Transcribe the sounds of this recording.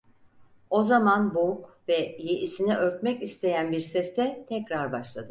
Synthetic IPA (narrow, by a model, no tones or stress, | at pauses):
o̞zamanboukvɛjeʔisiniʔøɾt̪mɛcist̪ʰe̞jænbiɾsɛst̪ʰɛt̪ʰɛcɾaɾbaʃlˠad̪ɯ